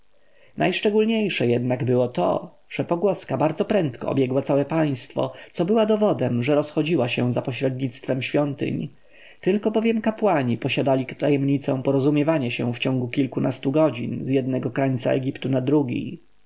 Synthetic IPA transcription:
nʔajʂt͡ʂɛɡulɲejʂɛjɛd̪naɡbɘwɔt̪ɔ̰ | ʐ̥ɛpɔɡwɔskabaɾd̪zɔpɾɛnt̪kɔ̰ɔ̰bʲjɛɡwat̪sawɛpaj̃st̪fɔ̰t̪sɔbɘwad̪ɔvɔd̪ɛmʐɛɾɔsxɔd͡ʑiwaɕɛzapɔɕɾɛd̪ɲit̪st̪fɛmɕfʲjɔnt̪ɘ̰ɲ | t̪ɘlkɔbɔvʲjɛmkapwaɲipɔɕad̪alʲikt̪ajɛmɲit̪sɛ̃w̃pɔɾɔzumʲjɛvaɲɛɕɛ̰̃ft͡ɕɔ̃ŋɡukʲilkunʔast̪uɡɔd͡ʑḭnzjɛd̪̚nɛɡɔkɾaɲt̪sa̰ɛ̰ɡʲipt̪unad̪ɾuɡʲḭj

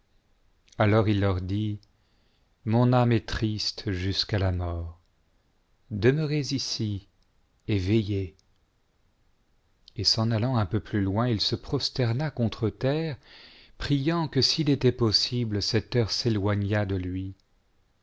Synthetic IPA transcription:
alɔʁilːœʁd̪i | mɔ̃namɛt̪χist̪ʒyskalamɔːʁ | d̪əmœʁezisi | evɛje | esɑ̃nalɑ̃ɛ̃pøplylwɛ̃ilsəpχɔst̪ɛʁnakɔ̃t̪χət̪ɛʁpχijɑ̃kəsilet̪ɛpɔsibləsɛt̪œʁselwaɲad̪əlɥi

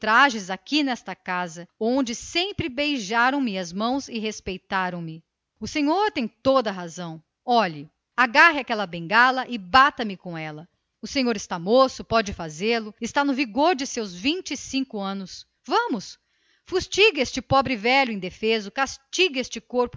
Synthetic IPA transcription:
t̪ɾaʒɪzakinɛst̪ɐkazɐõd͡ʒɪsẽmpɾɪbejʒaɾɐ̃w̃mɪɐzmɐ̃w̃zɪɦespejt̪aɾɐ̃w̃mɪ | ʊsẽɲoɾt̪ẽj̃t̪od̪ɐɦazɐ̃w̃ | ɔʎɪ | aɡaɦɪakɛlɐbẽŋɡalɐʔɪbat̪ɐmɪkõw̃ɛlɐ | ʊsẽɲoɾɪst̪amosʊpɔd͡ʒɪfazelʊɪst̪anʊviɡoɾd͡ʒɪsewzvĩt͡ʃɪsĩkʊɐ̃nʊs | vɐ̃mʊs | fust͡ʃiɡest͡ʃɪpɔbɾɪvɛʎʊẽj̃d̪efezɐkast͡ʃiɡest͡ʃɪkoɾpʊ

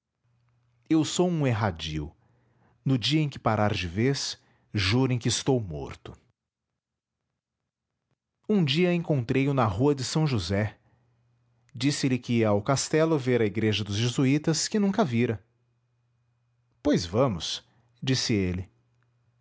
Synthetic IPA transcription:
ewsowũeɦad͡ʒḭʊ̰ | nʊd͡ʒiɐẽj̃kɪ̥paɾaɾd͡ʒɪves | ʒuɾẽj̃kɪɪst̪owmo̰ɾt̪ʊ̥ | ũd͡ʒiɐẽŋkõnt̪ɾejʊnɐɦuɐd͡ʒɪsɐ̃w̃ʒuzɛ | d͡ʒisɪlɪkɪawkast̪ɛlʊveɾɐiɡɾeʒɐd̪ʊzʒezuit̪ɐskɪnũŋkɐviɾɐ | pojzvɐ̃mʊs | d͡ʒisɪelɪ

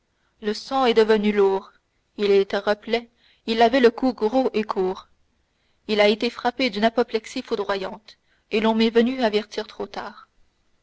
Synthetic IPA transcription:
ləsɑ̃ɛd̪əvənyluːʁ | ilɛt̪ɛ̃ʁəplɛ | ilavɛləkʰuɡʁoʔekʰuːʁ | ilaet̪efχaped̪ynapɔplɛksifud̪ʁwajɑ̃t̪ | elɔ̃mɛvənyavɛʁt̪iːʁt̪χot̪aːʁ

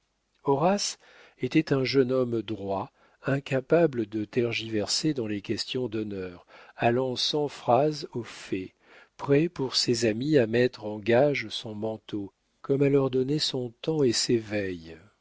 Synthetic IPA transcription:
ɔʁas | et̪ɛt̪ɛ̃ʒənɔmd̪ʁwa | ɛ̃kapabləd̪ət̪ɛʁʒivɛʁsed̪ɑ̃lekʲɛst̪jɔ̃d̪ɔnœʁalɑ̃sɑ̃fχazofɛ | pχɛpuʁsezamiamɛt̪χɑ̃ɡaʒsɔ̃mɑ̃t̪o | kɔmɛlœʁd̪ɔnɛsɔ̃t̪ɑ̃esevɛj

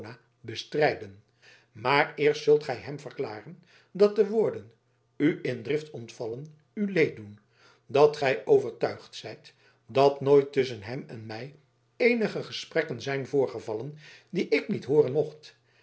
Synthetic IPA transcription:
na | bəstrɛjdən | maːrɪːɹstsɵlˠtχɛjɦɛmvərklaːrən | dɑt̚dəʋʊːɹdən | yʔɪndrɪftɔntfɑlən | ylejt̚dun | dɑtχɛjʔowvəɹtœɥχtsɛjt | dɑtnojtɵs̬ənɦɛmɛ̰nmɛj | ejnəχəχəsprɛkənzɛjnvʊːɹχəvɑləndiʔɪknitɦʊːrənmɔχt

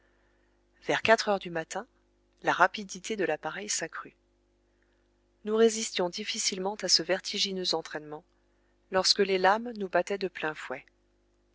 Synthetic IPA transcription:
v̥ɛʁkat̪χœʁd̪ymat̪ɛ̃ | laʁapid̪it̪ed̪əlapaʁɛjsakχy | nuʁezist̪jɔ̃d̪ifisilmɑ̃t̪asəvɛʁt̪ʰiʒinøzɑ̃t̪χɛnmɑ̃ | lɔʁskəlelamnubat̪ɛd̪əplɛ̃fwɛ

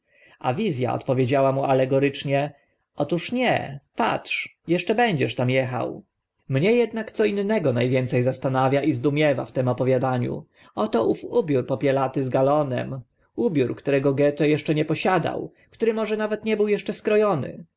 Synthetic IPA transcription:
a̰vʲizʲja̰ɔ̰t̪pɔvʲjed͡ʑawamualɛɡɔɾɘt͡ʂɲɛ | ʔɔt̪uʂɲɛ̰pa̰tʂjɛʂt͡ʂɛbɛɲd͡ʑɛʂt̪amjɛxa̰w | mɲɛjɛd̪nakt̪sɔinːɛɡɔnajvʲjɛnt̪sɛjzast̪anavʲjaʔizd̪umʲjɛva̰ft̪ɛmɔpɔvʲjad̪aɲṵ | ɔt̪ɔʔufubʲjuɾpɔpʲjɛlat̪ɘzɡalɔnɛ̰m | ubʲjuɾkt̪uɾɛɡɔɡɛt̪ɔjɛʂt͡ʂɛɲɛpɔɕad̪a̰w | kt̪uɾɘmɔʐɛnavɛt̪ɲɛbɘwjɛʂt͡ʂɛskɾɔjɔnɘ̰

